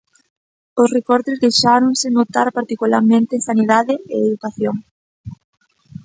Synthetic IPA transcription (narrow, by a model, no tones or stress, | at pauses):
osrekɔɾt̪ɪzðejʃaɾoŋsɪnot̪aɾpaɾt̪ikula̰ɾmẽnt̪ɪŋsaniðaðɪeeðukaθjoŋ